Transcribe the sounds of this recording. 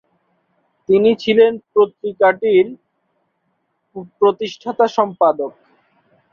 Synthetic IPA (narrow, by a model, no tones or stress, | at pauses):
t̪init͡ɕʰilenpɾot̪ɾikaʈiɾ | pɾot̪iʃʈʰat̪aʃɔmpad̪ok̚